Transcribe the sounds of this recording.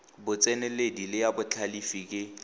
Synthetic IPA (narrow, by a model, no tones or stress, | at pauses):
bʊt͡sʼɛnɛledilɪjabʊt͡ɬʰalifikʼɪ